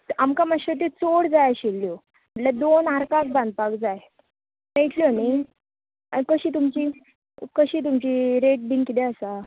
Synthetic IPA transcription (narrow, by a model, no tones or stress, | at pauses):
amkamaɕət̪̬et͡soɽd͡zajaɕilːjo | əlad̪onaɾkak̚bãnd̪̚pakd͡zaj | meʈʰljoni | a̰kəɕiːt̪̬umt͡ɕiː | kəɕiːt̪̬umt͡ɕiːɾeʈ̚biŋkit̪eəsa